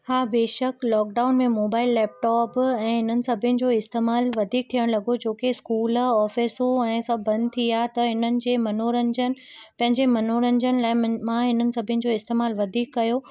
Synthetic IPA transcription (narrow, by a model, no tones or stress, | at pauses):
haːbeːʃəklɔːk̚ɖaːʊnmẽmoːbaːɪlːɛːp̚ʈɔːpɛ̃ːɦɪn̤ənɪ̆sɐbʱɪjənɪ̆d͡ʑoːɪst̪eːmaːlʋɐd̪ʱiːk̚t̪ʰijəɽ̃lɐɡod͡ʑoːkeskuːlɔːfɪsoɛ̃ːsɐbʱːɐ̃nd̪t̪ʰijaːɦt̪ɐɦɪnənɪ̆d͡ʑeːmɐnoːɾɐ̃ɲd͡ʑənɪ̆ | pɐ̃ɦɪ̃ɲd͡ʑemɐnoɾə̃ɲd͡ʑənɪ̆laːɪmãɦɪnənɪ̆sɐbʱjənɪ̆d͡ʑoːɪst̪eːmaːlʋɐd̪ʱiːkːɐjo